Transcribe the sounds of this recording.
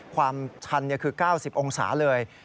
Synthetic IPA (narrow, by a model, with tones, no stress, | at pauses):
kʰwaː˧mt͡ɕʰa˧nːi˥˩ɐkʰɯː˧kaː˥˩wsi˨˩p̚ʔo˧ŋsa̰ː˩˦lɤː˧j